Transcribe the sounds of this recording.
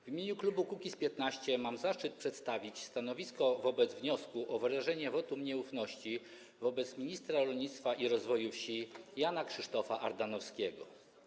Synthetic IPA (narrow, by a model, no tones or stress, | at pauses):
vʲimʲjeɲuklubukukʲispʲjɛt̪naɕt͡ɕɛmamzaʂt͡ʂɘt̪̚pʂɛt̪st̪avʲit͡ɕst̪anɔvʲiskɔvɔbɛd̪zvɲɔskuʔɔvɾaʐɛɲɛvɔt̪umɲɛufnɔɕt͡ɕi | vɔbɛt̪smʲiɲist̪ɾaɾɔlɲit̪st̪faʔiɾɔzvɔjufɕijanakʂɘʂt̪ɔfaʔaɾd̪anɔfskʲɛɡɔ̰